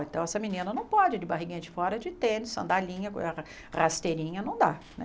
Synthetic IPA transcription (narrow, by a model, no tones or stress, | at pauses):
ẽt̪ɐ̃w̃ɛsɐminĩnɐnɐ̃w̃pɔd͡ʒɪd͡ʒɪbaɦiɡĩɲɐd͡ʒɪfɔɾɐd͡ʒɪt̪ẽnɪsɐ̃d̪alĩɲɐkõ̰ɐ | ʁast̪eɾĩɲɐnɐ̃w̃d̪anɛ̰